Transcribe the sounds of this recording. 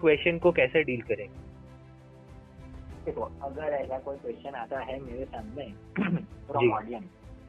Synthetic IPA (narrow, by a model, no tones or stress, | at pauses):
kʋest͡ʃənkokɛːseɖiːlkəɾẽ | ʈekoəɡəɾɛsakoːikʋest͡ʃənat̪aɦɛmeɾesãmnẽ | t̪ʰoːɽad͡ʒiɔɽijəm